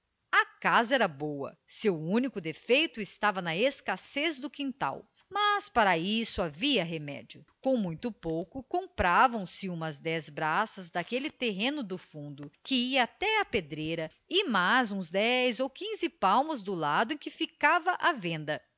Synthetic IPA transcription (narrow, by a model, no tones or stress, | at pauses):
ɐkazɐɛɾɐbowɐ̰sewũnikʊd̪efejt̪ʊɪst̪avɐnɐeskasezd̪ʊkĩnt̪a̰w | mɐspaɾɐisʊaviɐɦemɛ̰d͡ʒʊkõw̃mũj̃t̪ʊpowkʊkõmpɾavɐ̃w̃sɪũmɐzd̪ɛzbɾasɐzd̪akelɪt̪eɦẽnʊd̪ʊfũnd̪ʊkɪiɐat̪ɛaped̪ɾejɾɐ | ɪmazũzd̪ɛjzowkĩzɪpawmʊzd̪ʊlad̪ʊẽkɪfikavɐʔavẽnd̪ɐ